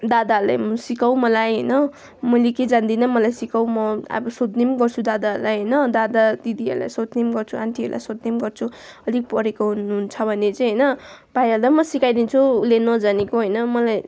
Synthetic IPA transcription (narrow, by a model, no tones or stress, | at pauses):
d̪ad̪aɦrla̰jmsikawmʌlajɦʌjnʌ | mʌjleked͡zand̪inʌmʌlajsikawmʌa̰bʌsot̪nemɡʌrt͡sʰud̪ad̪aɾlajɦʌjnʌd̪ad̪ad̪id̪iʌ̰rla̰jsot̪nemɡʌrt͡sʰuant̪ʰiɦʌ̰rla̰jsot̪̚nemɡʌrt͡sʰuʌlik̚pʌɾekoɦunuɦunt͡sʰʌbʱʌnet͡sʌ̃ɦʌjnʌ | b̥ajʌɾd̪amʌsikajd̪int͡sʰulenʌd͡zanekoɦʌjnʌmʌlaj